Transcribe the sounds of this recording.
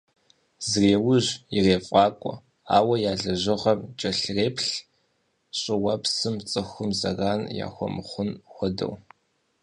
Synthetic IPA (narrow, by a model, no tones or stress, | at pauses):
zreːwʊʑjɪreːfʼɑːkʷʼɔ̰ | a̰ːwɐjaːɮɐʑɪʁɐmt͡ʃʼɐɬreːpɬ | ɕʼɪwɐpsɨmt͡sʼɨxʷʊmzɐ̰ɣaːnja̰ːxʷɔ̰mχʷʊnxʷɔdɐ̰w